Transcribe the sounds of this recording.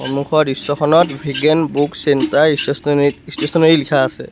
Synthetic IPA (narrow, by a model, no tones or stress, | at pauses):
xo̰nuxʰɔɹisɔkʰɔnɔtbʱiɡenbuksɛntaɹissistesɔnɔilikʰaːsɛ̰